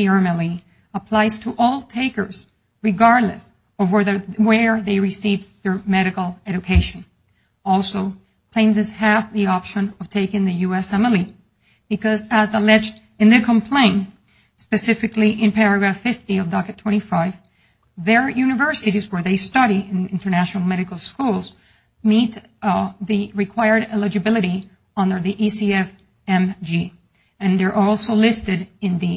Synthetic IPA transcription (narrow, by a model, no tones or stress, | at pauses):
iɛ̃mɛlˠi | əpʰl̥aɪz̥tʰəʔɔlˠtʰeɪkə̰˞z̥ | ɹɨɡɑɹdˡlɨ̰s | ʌvwɛðə˞wə˞ðeɪɹɨsivðə˞mɛɾɨkl̩ˠɛd͡ʒɨkʰeɪʃɨ̃n | ɔlˠsoʊ | pʰl̥ẽnzɨz̥hæfðiɑpʃɨ̃nʌv̥tʰeɪkɪ̃ŋðɨjuɛsɛmɛlˠi | b̥ɨkʌzəzəlɛd͡ʒd | ɨ̃nðɨkʰə̃mpʰl̥ẽɪ̃n | spɨsɪfɨkliʔɨ̃npʰɛɹɨɡɹæfɪftiʌvdɑkɨtʰw̥ɛ̃ɾ̃ifaɪv | ðə˞jʉnɨvɜ˞sɨɾizwə˞ðeɪstʌɾiɪ̃nɪ̃ntə˞næʃnl̩ˠmɛɾɨkl̩ˠskulˠz | mit̪ | ðɨɹɨkʰw̥aɪə˞ɾɛlˠɨd͡ʒɨbɪlˠɨɾi | ʌ̃ndə˞ðiʔisiɛf | ɛ̃md͡ʒi | ɨ̃nðə˞ʔɔlˠsoʊlɪstɨɾɨ̃nði